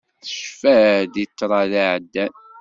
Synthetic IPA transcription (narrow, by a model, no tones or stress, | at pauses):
θə̥ʃfæðjət͡sːɾˤɑðaʕd̪ːæn